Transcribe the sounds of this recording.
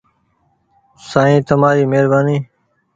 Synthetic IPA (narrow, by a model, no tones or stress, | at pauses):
saːĩːt̪ʰəmaːɾiːmeːɾbaːniː